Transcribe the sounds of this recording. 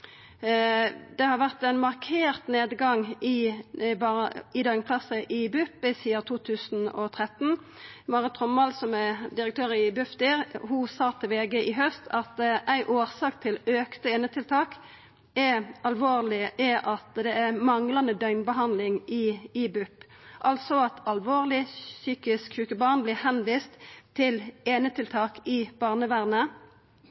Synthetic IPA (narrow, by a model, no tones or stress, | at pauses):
d̪ɛhɑɾʋæʁt̪æɪnmɑʁkʰeːʁt̪neːd̪ɡɑŋɪbɪd̪œʏnkʰlɑsəʔɪbʉpːəsiːɑt̪ʰuːt̪ʰʉːsn̩ɔ̰t̪ʰʁɛt̪n̩ | mɑʁət̪ʰʁɔmːɑlsɔmæd̪ɪɾəkt̪ʰøːʁɪbʉft̪ɪʁhʊsɑːt̪ʰɪlʋeːɡəʔɪɦœst̪ʰɑt̪ʔæɪʔoːʁsɑːkt̪ʰɪløːkt̪əeːnət̪ʰɪlt̪ʰɑːk | ɛɑlʋoːʁlɪʔɛʔɑt̪d̪ɛæmɑŋlɑnd̪əd̪œʏnbəɦɑnd̪lɪŋɪɪbʉpː | ʔɑlsɔɑt̪ɑlʋoːʁlɪsyːkɪskʰʉːkəbɑːʁnblɪhɛnʋiːst̪ʰːɪleːnət̪ʰɪlt̪ʰɑːkɪb̥ɑːʁnəʋæʁnə